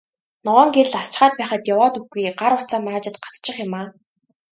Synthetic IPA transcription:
nɔʁɔːŋɡeɾ̆ɮaɬt͡ɕχaːt̪̚pæːχə̆t̪jawɔːt̪ɵxɡujɢaɾʊt͡saːmaːt͡ɕɪ̆t̪ɢḁt͡st͡ɕɪ̆χjʊmaː

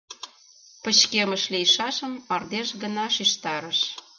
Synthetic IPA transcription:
pə̆t͡ɕkeməʃlijʃɑʃə̆mɑrd̪eʃɡə̆nɑʃiʃt̪ɑɾəʃ

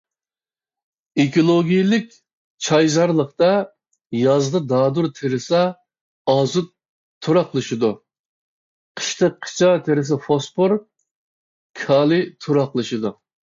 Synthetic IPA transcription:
ekʰolˠoɡʲijilɪkʲ | t͡ʃʰɑjzɑɾlˠəχt̪ɑ | jɑzd̪ɨd̪ɑːd̪uɾt̪ʰeɾɪsɑ | ɑzut̪ʰː | uɾɑqlˠɨʃid̪u | qʰə̥ʃt̪ʰəqʰːə̥t͡ʃʰɑt̪ʰeɾɪs̬ɑfospʰʊɾ | kʰɑːlˠɨt̪ʰuɾɑqlˠɨʃɨd̪u

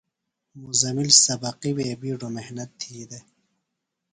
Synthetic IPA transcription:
muzɐmilsɐbɐqiweːbiɖomehnɐt̪ʰːiːd̪e

